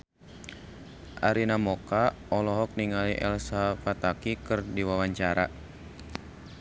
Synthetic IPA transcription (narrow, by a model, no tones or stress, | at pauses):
ʔaɾinamɔkaɔlɔɦɔk̚niŋaliʔɛ̰lsafat̪akikɨrdiwawaɲt͡ʃaɾa